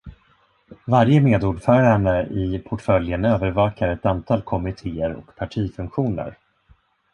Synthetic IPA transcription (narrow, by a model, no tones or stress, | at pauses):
vaɾjəmeːd̪uːɖfœːɾaɛɳəʔɪpʰɔʈfœljənøːvəɾvɑːkaɾɛt̪ant̪ʰɑːlkʰɔmɪt̪ʰeːəɾɔ̰kpʰaʈʰiːfɵŋkɧuːnə̰ɾ